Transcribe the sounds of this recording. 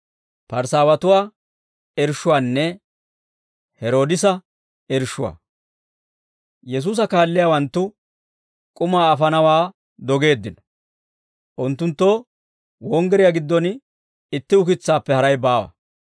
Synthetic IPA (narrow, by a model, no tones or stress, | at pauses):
pɐɾsaːwɐt̪ʊwaː | ɛɾʃʊwaːnːɛ | hɛɾo̞ːd̪ɪsɐ | ɛɾʃʊwa̰ː | jɛs̬uːs̬ɐkaːlːɪjaːwɐnt̪ːʊ | kʼʊmaːɐfɐnɐwaː | d̪ɔɡe̞ːd̪ːɪnɔ̥ | ʔʊnt̪ːʊnt̪ːo | wɔŋɡɛɾɪjaɡɪd̪ːɔn | ɪt̪ːɪʊkɪt͡sːaːpːɛhɐɾɐjbaːwɐ̰